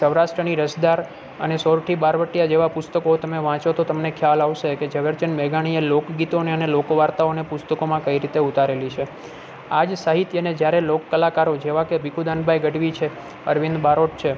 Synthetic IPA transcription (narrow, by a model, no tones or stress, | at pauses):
səʋɾaʃʈɾəniɾəsd̪aɾ | ə̰nesoɾʈʰibaɾʋəʈːjad͡ʒeʋapʊst̪əkot̪əmeʋãt͡ʃot̪ot̪əmnekʰjalaʋʃeked͡ʒəʋəɾt͡ʃənmeɡaɽ̃ielokɡit̪oneənelokʋaɾt̪aonepʊst̪əkomãkəiɾit̪eut̪aɾelit͡ʃʰe | ad͡ʒsaɦit̪jəned͡ʒjaɾelokːəlakaɾod͡ʒeʋakebikud̪ãnbʱajɡəɖʋit͡ʃʰe | əɾʋind̪baɾoʈ̚t͡ʃʰe